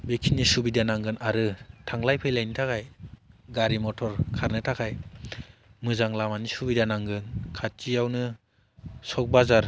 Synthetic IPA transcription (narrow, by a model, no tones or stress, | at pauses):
bekʰinisubidanaŋɡɯnʔaɾɯtʰaŋlajpʰejlajnitʰakʰajɡaɾimɔtʰɔɾkʰaɾnɯtʰakʰaj | mɯzaŋlamanisubidanaŋɡɯnkʰat͡ʃijawnɯ | sɔk̚bazaɾ